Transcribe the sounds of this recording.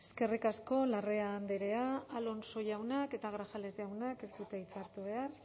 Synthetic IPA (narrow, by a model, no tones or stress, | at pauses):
eske̞rikasko̞lare̞aːnd̪eɾe̞aːlo̞nso̞jawnake̞t̪aɣ̞ɾaxale̞zʝawnake̞sd̪ut̪eit͡saɾt̪uβ̞e̞ar